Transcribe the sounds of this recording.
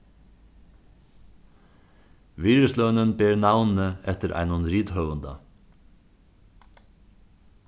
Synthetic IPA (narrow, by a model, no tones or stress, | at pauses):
ʋiːɾəslœnənbeːɾnɑʋnn̩əɛt̪əɾʔæ̰ɪnʊnɾiːd̪hœʉənd̪ɑ̰